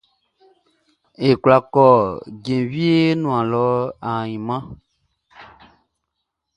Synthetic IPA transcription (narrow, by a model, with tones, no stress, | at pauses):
e˨kwla˨kɔ˦˨ɟẽ˨wi˦e˦nũ˨ã˨lɔ˨˦a˨ɲĩ˨mã˦